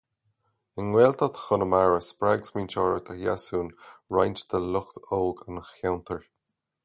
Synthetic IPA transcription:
ɪnwɛːlt̪ʰɔt̪ʰxʊnəmaɹəspɹaɡsmiːnt͡ʃɔːɹət̪ʰəjasuːnɹajnt͡ʃd̪ʰəlʊxt̪oːlɡənəxjawnt̪ʰəɹ

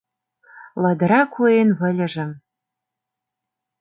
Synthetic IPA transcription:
lɑd̪əɾɑkʰuenvɘ̆lʲɘ̆ʒɘ̆

